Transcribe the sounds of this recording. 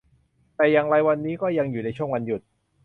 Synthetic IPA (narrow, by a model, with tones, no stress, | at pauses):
t̪ɛː˨˩ja˨˩ŋɾa˧jwa˧nːiː˦˥kɔː˥˩ja˧ŋjuː˨˩na˧jt͡ɕʰu˥˩əŋwa˧nju˨˩t̪̚